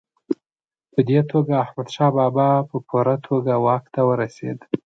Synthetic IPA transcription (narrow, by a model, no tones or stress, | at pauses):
pəd̪et̪ʰoɡaːhmad̪ʃɑbɑbɑpəpʰuɾat̪ʰoɡawɑkt̪awəɾasḛd̪